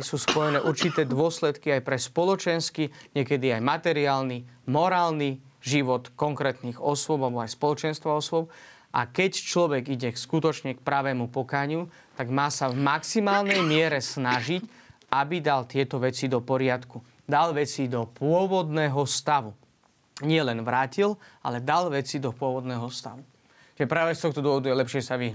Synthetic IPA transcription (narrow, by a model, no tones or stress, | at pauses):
suːspɔjɛnɛːʔuɾt͡ʃit̪ɛːd̪ʊɔslɛt̪kiajpɾɛspɔlɔt͡ʃɛnskiɲɪɛkɛd̪iajmat̪ɛɾiaːlnimɔɾaːlniʒiʋɔt̪kɔŋkɾɛːt̪niɣɔsʊɔbalɛbɔajspɔlɔt͡ʃɛnst̪ʋaɔsʊɔp̚ | ʔa̰kɛct͡ʃlɔʋɛɡiɟɛskut̪ɔt͡ʃɲɛkpɾaʋɛːmupɔkaːɲɪu | t̪aɡmaːsavmaksimaːlnɛjmɪɛɾɛsnaʒic | abid̪alt̪ɪɛt̪ɔʋɛt͡sid̪ɔpɔɾɪat̪ku | d̪alʋɛt͡sid̪ɔpʊɔʋɔd̪nɛːɦɔst̪aʋu | ɲɪɛlɛnʋɾaːcilʔa̰lɛd̪alʋɛt͡sid̪ɔpʊɔʋɔd̪nɛːɦɔst̪a̰ʋu | t͡ʃʒɛpɾaːʋɛst̪ɔxt̪ɔd̪ʊɔɦɔd̪ujɛlɛpʃɪɛsaʋiɦ